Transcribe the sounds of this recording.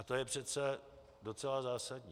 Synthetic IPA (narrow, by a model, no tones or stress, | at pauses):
at̪o̞jɛpr̝̥ɛt͡sɛ | do̞t͡sɛlazaːsadɲiː